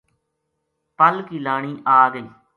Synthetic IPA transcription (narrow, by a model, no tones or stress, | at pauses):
pəlkiːlaːɳ̃iːʔaːɡəiː